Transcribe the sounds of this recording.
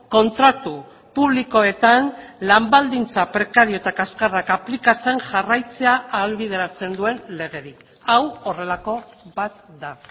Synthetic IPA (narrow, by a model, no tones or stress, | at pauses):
ko̞nt̪ɾat̪u | puβliko̞e̞t̪anlambald̪int͡sapɾe̞kaɾio̞t̪akaskarakaplikat͡se̞ŋʝarajt͡se̞aːlβið̞e̞ɾat͡se̞nd̪ue̞nle̞ɣ̞e̞ɾik | awore̞lako̞bat̪̚d̪a